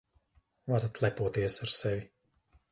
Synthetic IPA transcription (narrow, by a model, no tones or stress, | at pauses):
vaɾat̪lˠɛpuɔt̪iɛsaɾsɛvi